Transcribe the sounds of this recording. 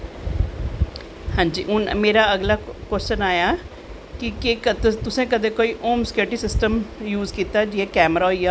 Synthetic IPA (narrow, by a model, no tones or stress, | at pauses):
hãːɲd͡ʒiːʊnmeːɾaːəɡlaːkəɾt͡ʃənaːjaː | kɪkekət̪t̪ʊsẽːkəd̪ẽːkoːiːʔoːmskeːʈiːsɪsʈəmjuːzkiːt̪aːd͡ʒɪeːkɛːmɾaːija